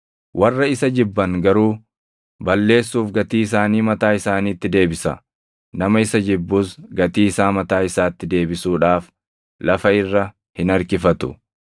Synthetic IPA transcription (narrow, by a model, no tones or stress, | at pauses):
wʔɐrːɐɪsɐd͡ʒɪbːɐŋɡɐɾuː | bɐlːe̞ːsːuːfɡɐt̪iːɪs̬aːniːmɐt̪aːɪsaːniːt̪ːɪd̪e̞ːbɪsɐ̰ | nɐmɐɪsɐd͡ʒɪbːuːsɡɐt̪iːɪsaːmɐt̪aːɪsaːt̪ːɪd̪e̞ːbɪsuːᶑaːf | lɐfɐɪrːɐ | hɪnɐɾkɪfɐt̪ʊ̥̰